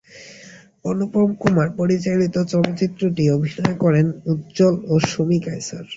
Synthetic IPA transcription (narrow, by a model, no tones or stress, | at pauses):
ɔnopɾomkumaɾpoɾit͡ɕalit̪ot͡ɕɔlot͡ɕit̪ːɾoʈiobʱinɔekɔɾenut̪̚d͡ʑoloʃomikajsa̰ɾ